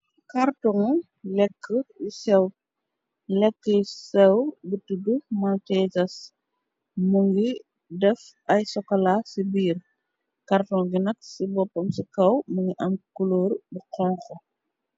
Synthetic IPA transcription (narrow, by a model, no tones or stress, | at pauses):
kartɔŋ | lɛkʰːəisɛw | lɛkːəisɛwbitudumaltɛzɐs | muŋɡi | dɛf | ɐjsɔkːɐlasibiːr | kartɔŋɡinɐksibɔpːɔmsikɐwmuŋɡiʔɐmkuloːɾbuqɔŋkɔ